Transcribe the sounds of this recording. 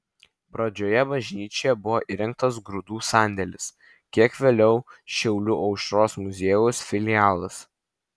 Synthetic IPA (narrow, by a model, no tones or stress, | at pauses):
pɾɐd͡ʒʲoːjɛbɐʒʲnʲiːt͡ʃʲoːjɛbʊʋoːʔɪɾʲɪŋk̚t̪ɐs̬ɡɾʊd̪uːsɑːˑnʲd̪ʲɛlʲɪs | kʲiɛkʋʲeːlʲɛʊʃʲɛʊlʲʊʔɐʊʃɾoːsmʊzʲeːjʊsfʲɪlʲɪjæːlˠɐs